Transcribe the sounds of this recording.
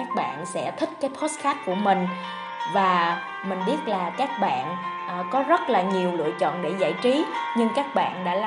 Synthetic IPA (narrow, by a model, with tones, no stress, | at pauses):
aː˦˥k̚ɓa̰ː˧˨nsɛ̰˧˥t̪ʰï˦˥k̟̚kaː˨˦jpʰo˦˥s̚xaː˦˥t̚ku˧˩əmï˨˩ŋ̟ | vaː˨˩ | mï˨˩ŋ̟ɓi˦˥ət̚laː˨˩kaː˦˥k̚ɓa̰ː˧˨nʔkɔ˨˦zə˦˥t̚laː˨˩ɲi˨˩əwlɨ̰˧˨ət͡ɕɔ̰˧˨nɗe˧˩za̰ː˧˨jt͡ɕi˨˦ɲɨ˧ŋkaː˦˥k̚ɓa̰ː˧˨nɗa̰ː˧˥l